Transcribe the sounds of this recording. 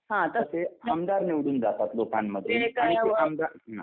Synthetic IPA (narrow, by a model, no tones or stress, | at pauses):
ɦãt̪əsehamd̪aɾniʋɽuːnd͡zat̪at̪lokanməd̪ʱːekaamd̪aɾna̰